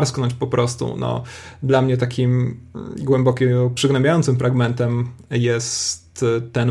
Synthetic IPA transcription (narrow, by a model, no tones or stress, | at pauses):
ɾsknɔɲt͡ɕpɔpɾʔɔst̪ṵnɔ̰d̪lamɲɛt̪akʲimɡwɛmbɔkʲɛpʂɘɡnɛmbʲjajɔnt̪sɘmfɾʔaɡmɛnt̪ɛmjɛst̪ːɛn